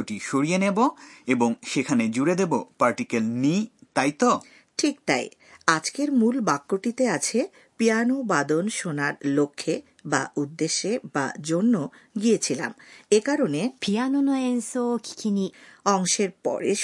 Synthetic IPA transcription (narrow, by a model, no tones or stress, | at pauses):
oʈiʃoɾijeneboeboŋʃekʰaned͡ʑuɽed̪ebopaɾʈikelnit̪ajt̪o | ʈʰik̚t̪a̰j | ad͡ʑkeɾmulbakːoʈit̪eat͡ɕʰe | pijanobad̪onʃonaɾlokʰːe | ba̰ʔud̪ːeʃːeba̰d͡ʑonːoɡiet͡ɕʰila̰mekaɾonepijanonoensoki̥kʰiniɔŋʃeɾpɔ̰ɾḛ